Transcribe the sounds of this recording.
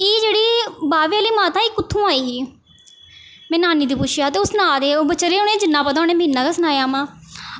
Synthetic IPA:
eːd͡ʒeːɽiːbaːʋealiːmaːt̪aːiːkːʊt̪ʰːũːaːiːɦiː | mɛ̃ːnaːniːd̪iːpʊʃjaːt̪eːʊsnaːd̪eːoːbət͡ʃəɾeːʊnẽːd͡ʒɪnːãːpət̪aːoːneːməɦiːnːãːkaːsənaːjaːmãː

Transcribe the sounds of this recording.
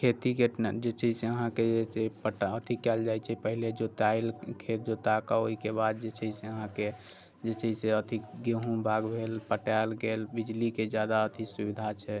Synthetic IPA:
kʰet̪iked͡ʒet͡ʃəsẽəɦãked͡ʒesepəʈət̪ikɛld͡ʒajt͡ʃʰɛpəɦiled͡ʒot̪ailkʰet̪̚d͡ʒot̪akaoikebad̪̚d͡ʒet͡ʃʰəsẽəɦãke | d͡ʒet͡ʃəseət̪iɡeɦũbʱaɡbʱelpəʈɛlɡelbid͡ʒliked͡ʒjad̪aət̪ʰisubid̪ʱat͡ʃʰɛ

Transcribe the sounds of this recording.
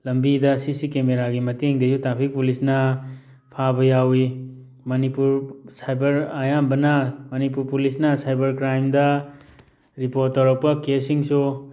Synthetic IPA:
lɐmbidɐsisikemeɾaɡimɐteŋdesutapʰik̚pulisnɐ | pʰabɐjawi | mɐnipuɾsajbɐɾajambɐnɐmɐnipuɾpulisnɐsajbɐɾkɾajmdɐ | ɾipoɾtːɐɾɐwpɐkesiŋsu

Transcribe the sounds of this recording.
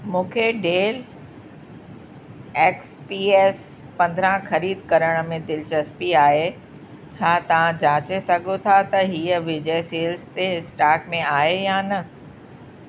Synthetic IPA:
mũːkʰeɖeːl | eːkspiːeːs | pɐ̃nd̪ʱɾãxɐɾiːd̪kɐɾəɽ̃mẽd̪ɪlt͡ɕɐspiaːɦe | t͡ɕʰaːt̪ɐʋ̤ãd͡ʑaːt͡ɕesɐɡʱot̪ʰat̪ɐɦiːəʋɪd͡ʑeːseːlst̪eɪsʈaːkmẽaːɦejanɐ

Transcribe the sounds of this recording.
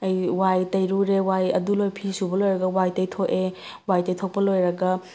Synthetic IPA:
ɐjwajtɐjɾuɾewajɐ̰dulojpʰisubɐlojɾɐɡɐwajtɐjtʰoʔe | wajtɐjtʰok̚pɐlojɾɐɡɐ

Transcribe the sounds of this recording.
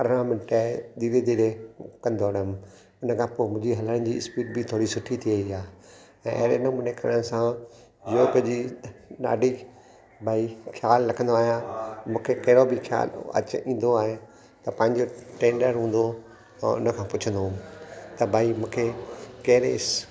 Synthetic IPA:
ɐɾãmɪnʈad̪iːɾed̪iːɾekɐ̃nd̪oɐɽəm | ʊnəkʰãpoːmʊ̃d͡ʑiɦɐləɽ̃̆d͡ʑiːspiːʈ̚bʱɪt̪ʰoːɾisʊʈʰit̪ʰiəiaː | ɛ̃ʔɐ̰ɦɾenəmʊ̃nekɐɾəɽ̃sã | joːked͡ʑina̰ːɖʱi | bʱaːikʰjaːlːɐkʰə̃nd̪oaːɦijamũːkʰekɐɦɪɾobɪkʰja̰ːlɐ̰t͡ɕĩːn̆d̪oaːɦe | t̪ɐpɐ̃ɦɪ̃ɲd͡ʑoʈẽːɳɖəɾɦũːn̆d̪o | ɛ̃ʊ̰nə̆kʰãːpʊt͡ɕʰə̃nd̪omt̪ɐbʱaːimũːkʰekɐɦɪɾes

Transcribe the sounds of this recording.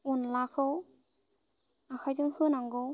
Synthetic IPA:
unlakʰɯw | akʰajzɯŋhɯnaŋɡɯw

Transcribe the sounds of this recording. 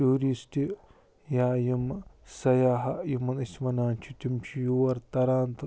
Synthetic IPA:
uːɾistʲi | jaːjimsɐjaːɦɐjimɐnismɐnaːnt͡ʃʰit̪ʲimt͡ʃʰijuwɐɾt̪ɐɾaːnt̪ɨ

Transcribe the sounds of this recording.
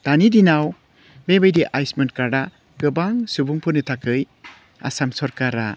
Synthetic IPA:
d̥̪anidinaw | bebɯjdiʔajsmɯnkaɾɖa | kɯbaŋsubuŋpʰɯnɯtʰakʰɯj | a̰samsɔɾkaɾa̰

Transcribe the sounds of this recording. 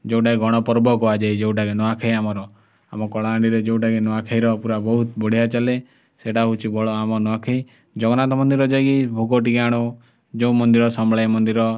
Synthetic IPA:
d͡ʒew̃ʈaeɡʱɔɽ̃ɔpɔɾbɔkɔad͡ʒajd͡ʒeũʈakenɔakʰaiamɔɾɔ | a̰mɔkɔɭaːɳɖiɾed͡ʒeũʈakenɔakʰaiɾɔpuɾabɔɦut̪bɔɽ̤ijat͡ʃale | seʈaɦut͡ʃʰibʱɔɭɔamɔnɔakʰai | d͡ʒɔɡɔnat̪ɔmɔnd̪iɾɔd͡ʒajkibʱoɡɔʈ̬ikaɽ̃ɔ | d͡ʒeũmɔnd̪iɾɔsɔmbɭajmɔnd̪iɾɔ

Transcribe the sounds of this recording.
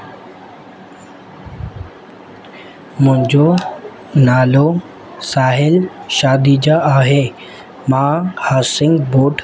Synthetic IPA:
mʊ̃ɦɪ̃ɲd͡ʑo | naːlo | saːɦɪlʃaːd̪id͡ʑaʔaːɦe | mãhaːsɪ̃ŋɡboːʈʰ

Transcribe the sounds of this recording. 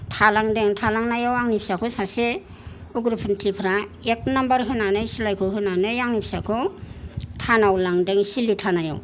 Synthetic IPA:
tʰalaŋdeŋtʰalaŋnajawaŋnip̚ʰsakʰɯsase | uɡɾupʰɯntʰipʰɾaek̚nambaɾɦɯnanɯsilajkʰɯɦɯnanɯjaŋnipʰsakʰɯ | tʰanawlaŋdeŋsilitʰanaja̰w

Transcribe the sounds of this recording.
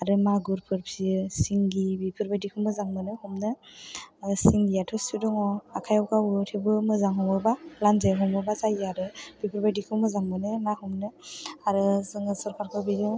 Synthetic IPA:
aɾɯmaɡuɾpʰɯɾpʰisiŋɡibipʰɯɾbajdikʰɯmɯzaŋmɯnɯhɔmnɯ | siŋɡiatʰɯsidɔŋɔakʰajɔwkawɯtʰɯbɯmɯzaŋɦɔmɔɾbalanzajɦɔmɔɾbazajaɾɯb̥ipʰɯɾbajdikʰɯmɯzaŋmɯnɯmahumnɯaɾɯzɯŋɯsɔɾkʰaɾkʰɯbidɯ

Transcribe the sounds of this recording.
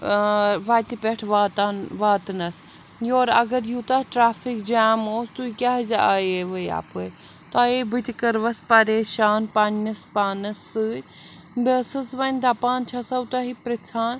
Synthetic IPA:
ʋaːt̪ipʲeʈʰʋat̪aʋaːt̪nɐs | joːɾɐ̰ɡɐɾjut̪aʈɾaːfikd͡ʒaːmoːst̪uikʲaːɦzaːjeʋɐja̰ːpɨ | t̪aːebit̪ʲikɐɾʋɐspɐɾeːʃaːnpannɐspaːnɐsɨ | besɨsʋɐnʲt̪aːpaːnt͡ʃʰasɐut̪aɦipɾɐt͡sʰaːn

